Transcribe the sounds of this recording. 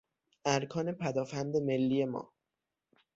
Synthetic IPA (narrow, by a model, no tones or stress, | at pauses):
ʔæɾkʰɒːne̞pʰæd̪ɒːfænd̪e̞me̞lːiːje̞mɒ̰ː